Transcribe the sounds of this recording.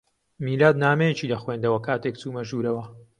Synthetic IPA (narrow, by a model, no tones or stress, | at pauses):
miːlaːd̪naːmɛjet͡ʃiːlɐxweːnd̪ɐwɐkʰaːt̪ekt͡suːmɐʒuːɾɐwɐ